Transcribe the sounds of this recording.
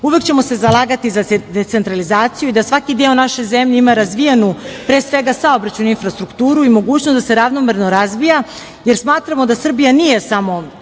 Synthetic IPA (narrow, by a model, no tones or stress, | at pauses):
uʋe̞kt͡ɕe̞mo̞se̞zalˠaːɡat̪izad̪et̪se̞nt̪ɾalizaːt̪sijuid̪asʋakid̪eonaʃo̞jzemʎeimaɾazʋijenupɾeːsʋe̞ɡasao̞bɾat͡ɕuninfɾast̪ɾukt̪uːɾuimo̞ɡuːt͡ɕnosd̪ase̞ɾaʋnomeɾno̞ɾazʋija | jeɾsmaːt̪ɾamo̞d̪asr̩bijanije̞samo̞